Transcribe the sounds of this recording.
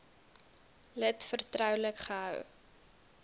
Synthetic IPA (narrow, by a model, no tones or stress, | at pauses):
lətfərtrœwləkχəɦœw